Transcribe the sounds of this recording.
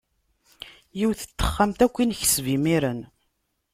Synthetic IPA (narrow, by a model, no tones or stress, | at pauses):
jiwθə̥t̪ːə̥χːamt̪ækʷːinçə̥svimiɾən